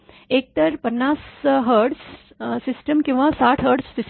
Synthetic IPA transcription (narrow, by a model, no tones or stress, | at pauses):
ek̚t̪əɾpənːasɦəɾɽs | sisʈəmkĩw̃ʋasaʈʰɦəɾɖsːis